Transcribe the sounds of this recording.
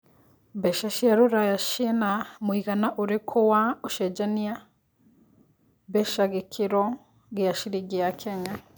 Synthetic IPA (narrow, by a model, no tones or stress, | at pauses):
beʃaʃaɾuɾajaʃinamwiɣanaʔuɾikʰuwauʃed͡ʒanija | beʃaɣikʰiɾo | ɡijaʃiɾiɡijakʰeɲa